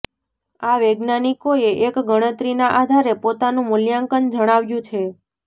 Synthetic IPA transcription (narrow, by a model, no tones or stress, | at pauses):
aʋeɡnanikoeʔekɡəɽ̃ət̪ɾinaʔad̪ʱaɾepot̪anũmʊljaŋkənd͡ʒəɽ̃aʋjũt͡ʃʰe